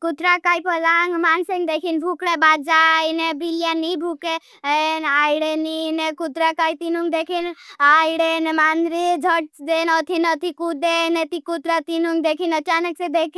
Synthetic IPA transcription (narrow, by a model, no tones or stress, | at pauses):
kut̪ɾakajpəlaŋɡmansiŋɡd̪ekʰinbʱukɽebat̪̚d͡ʒajnebilijanibʱuke | najɽeninekut̪ɾakait̪inuŋɡd̪ekʰinajɽenemand̪ɾid͡ʒʱəʈ̚d̪enət̪ʰinət̪ʰikud̪enet̪ikut̪ɾat̪inuŋɡd̪ekʰinət͡ʃanəksẽd̪ek